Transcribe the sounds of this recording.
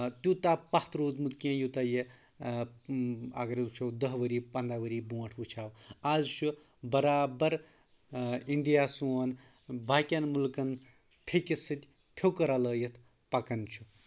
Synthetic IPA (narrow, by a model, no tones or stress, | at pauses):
t̪ut̪apaht̪ɾoːt̪mut̪kẽjut̪aje | a̰ɡɐɾut͡ʃʰɐwd̪əɦʋəɾiːpɐnd̪aʋəɾibõːʈʰut͡ʃʰaːwazt͡ʃʰu | bɐɾaːbɐɾ | iɳɖijaːsuɐn | bʱaːkʲanmulkɐn | pʰekʲisɨt̪ʲ | pʰjokɐɾaləːjɐt̪ʰ | pɐkɐnt͡ʃʰu̥